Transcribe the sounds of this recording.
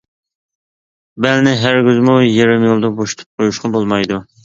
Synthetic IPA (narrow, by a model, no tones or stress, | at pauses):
bɛlnɪɦæɾɡʲyzmujeɾɪmjolˠd̪ɑboʃt̪ʰɨ̥p̚qʰojuʃqɑbolˠmɑjd̪u